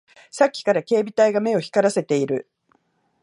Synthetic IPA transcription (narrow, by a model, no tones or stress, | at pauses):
sakʲːi̥kaɾake̞ːbʲit̪aiɡame̞o̞çi̥kaɾase̞t̪e̞iɾɯ̟